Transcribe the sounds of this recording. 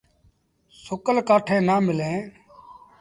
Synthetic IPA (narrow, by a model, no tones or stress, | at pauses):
sʊkəlkaːʈʰẽːnaːmɪlẽː